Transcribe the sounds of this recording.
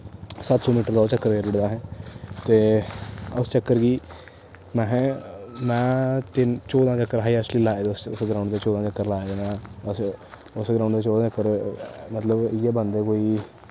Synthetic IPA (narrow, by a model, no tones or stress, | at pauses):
sət̪sɔːmiːʈəɾd̪ɔːt͡ʃəkːəɾɡeːɾɪɽd̪aːɦɛ̃ːt̪eː | ʊst͡ʃəkːəɾɡiː | mɛ̃ːɦɛ̃ːmɛ̃ːt̪ɪnt͡ʃɔːd̪ãːt͡ʃəkːəɾɦaːiɛʃliːlaːed̪ʊsʊsɡɾãːʊ̃ɳɖd̪eːt͡ʃɔːd̪ãːt͡ʃəkːəɾlaːeːd̪eːnãːs | ʊsɡɾãːʊ̃ɳɖd̪eːt͡ʃɔːd̪ãːt͡ʃəkːəɾmət̪ləbɪɛːbənd̪eːkoːiː